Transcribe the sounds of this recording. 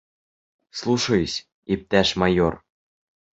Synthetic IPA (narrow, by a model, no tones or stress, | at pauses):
slˠuʂɤjɤɕ | ip̚t̪æʃmɑjor